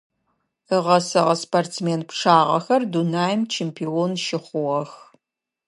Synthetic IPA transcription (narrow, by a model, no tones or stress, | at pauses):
əʁɐsɐʁɐspʰɐrt͡smeːnpʂaːʁɐ̰xɐrdunaːjmt͡ʃʰeːmpʰiːoːnʃɪχʷʊʁɐx